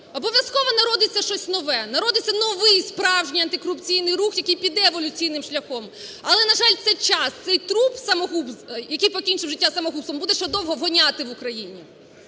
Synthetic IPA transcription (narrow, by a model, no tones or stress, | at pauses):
ɔbɔʋʲjɐskɔʋɔnɐɾɔd̪ɪt͡sʲːɐʃt͡ʃɔsʲnɔʋɛnɐɾɔd̪ɪt͡sʲːɐnɔʋɪjspɾɑwʒnʲijɐnt̪ɪkɔɾʊpt͡sʲijnɪjrɾuxjɐkɪjpʲid̪ɛːʋɔlʲʊt͡sʲijnɪmʃlʲɐxɔm | ɐlˠɛnɐʒɑlʲt̪sɛt͡ʃɑst̪sɛjt̪ɾupsɐmɔɦubzjɐkijpɔkʲinʲt͡ʃɪwʒɪtʲːasɐmɔɦupsɔmbud̪ɛʃɛd̪ɔwɦɔʋɦɔnʲat̪ɪʋukɾɐjinʲi